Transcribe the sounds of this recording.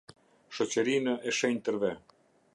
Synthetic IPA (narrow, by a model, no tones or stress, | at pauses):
ʃɔt͡ɕəɾinəʔɛʃɛɲt̪əɾvɛ